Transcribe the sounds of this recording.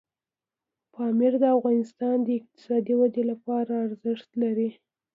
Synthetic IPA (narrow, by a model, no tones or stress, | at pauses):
pɑmɪɾd̪əafɣɑnɪst̪ɑnd̪əɪq̚t̪ɪ̥sɑd̪iwad̪elapɑɾaːɾzɪʂt̪laɾi